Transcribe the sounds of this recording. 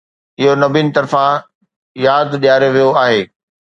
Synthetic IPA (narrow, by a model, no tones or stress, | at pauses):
ɪɦonɐbinɪ̆t̪ɐɾfã | jaːd̪ɗijaːɾeʋijoaːɦeː